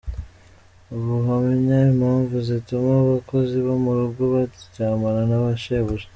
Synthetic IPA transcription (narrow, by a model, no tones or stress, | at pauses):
uβuɦamiɲaimhaːɱvuzitumaβako̞ziβomuɾuɡoβatucaːmaɾanaβaʃeβuʒe